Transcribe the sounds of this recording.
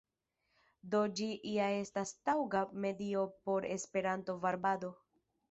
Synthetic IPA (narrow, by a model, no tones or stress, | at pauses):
do̞d͡ʒiʔiae̞stastawɡame̞dio̞po̞ɾe̞spe̞ɾanto̞vaɾbado̞